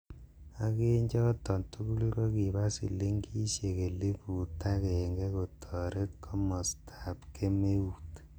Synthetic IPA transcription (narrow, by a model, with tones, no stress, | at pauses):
a˦ke˦ɲd͡ʒɔ˦tɔ˨ntu˦ku˦li˦ɾo˦ki˨ba˦sḭ˨le˦ŋɡi˦ʃe˨ke˨le˦pu˨ta˦kɛ˨ŋɡɛ˦ko˨tʰɔ˨ɾe˦tkʰɔ˦mɔ˨stʰḁ˨pkʰe˦me˦u˨t